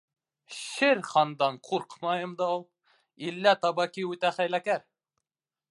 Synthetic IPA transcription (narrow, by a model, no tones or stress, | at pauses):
ʃɘɾχɑnd̪ɑnqʰuɾqmɑjɤmd̪ɑulˠ | ilːæt̪ɑbɑkʲiʉt̪æχæjlækæɾ